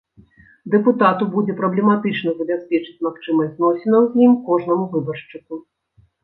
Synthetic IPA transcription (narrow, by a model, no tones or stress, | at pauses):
d̪ɛput̪at̪ubud͡zʲɛpɾɐblʲɛmat̪ɨt͡ʂnɐzɐbʲasʲpʲɛt͡ʂɨ̥t͡sʲmaxt͡ʂɨmɐsʲznɔsʲɛnɐwzʲjimkɔʐnɐmuvɨbɐrʂt͡ʂɨku